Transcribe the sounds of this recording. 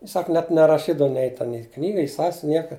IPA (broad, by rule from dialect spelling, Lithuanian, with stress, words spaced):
ɪ ˈsɐk nʲɛt nʲɛrɐˈʃʲiːdɐw nʲɛɪ tʲɛn ɪ ˈknʲiːɡɐ ɪ ˈsɑːsʲʋʲɪn ˈnʲiɛkɐ